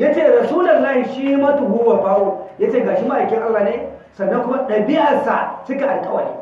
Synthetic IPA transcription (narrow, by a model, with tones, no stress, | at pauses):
ja˦t͡ʃeː˦˨ɾɐ˨suː˦lɐ˨nːɐ˦˨ʃiː˦mɐ˦tu˨hu˦wa˨baː˦wo˦ja˦t͡ʃeː˦˨ɡaː˨ʃi˦ma˦ʔa˨kʲɪ˦ŋʔa˦lːaː˨ne˦ | sɐ˨nːɐ˦ŋkʷʊ˦ma˦ɗɐ˨bɪ˦ja˨sa˨sʊ˦ke˨ʔa˨lkʼɐ˦wa˨nḭ˦˨